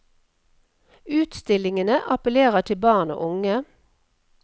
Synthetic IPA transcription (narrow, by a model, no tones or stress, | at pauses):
ʉːt̪st̪ɪlɪŋənəʔɑpəleːʁət̪ʰɪlbɑːʁno̰ːʔʊŋə